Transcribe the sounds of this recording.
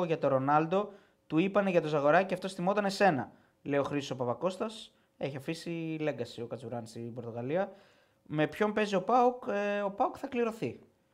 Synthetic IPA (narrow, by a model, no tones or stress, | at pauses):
oʝɐt̪o̞ɾo̞nɐld̪o̞ | t̪uipɐneʝɐt̪ozɐɣo̞ɾɐceɐft̪o̞sθimo̞t̪ɐne̞se̞nɐ | le̞io̞xɾisosopɐvɐko̞st̪ɐs | e̞çiɐfisile̞ŋɡɐsio̞kɐt͡suɾɐnist̪ibo̞ɾt̪o̞ɣɐliɐ | me̞pço̞mpe̞zio̞pɐuko̞pɐukθɐkliɾo̞θi